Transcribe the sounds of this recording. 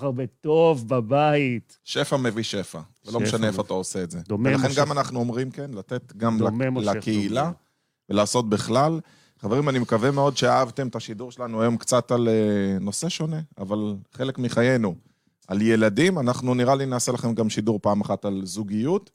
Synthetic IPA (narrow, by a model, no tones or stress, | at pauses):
abetovbabait | ʃe̞fame̞viʃe̞faveloeʃaneefat̪aose̞ːtze̞delaχenɡamanaχnuo̞mʁimke̞nlat̪e̞t̪ɡamlalakeila | velaːso̞t̪̚biχlal | χave̞ʁimanimekave̞me̞o̞dʃeaavt̪e̞mt̪aʃiduʁʃelanuajo̞mkt͡sataleno̞se̞ʃo̞ne̞a̰valχe̞lekmiχaje̞nu | alje̞ladimanaχnuniʁalinaːselaχe̞mɡamʃiduʁpaːmaχatalzuɡijut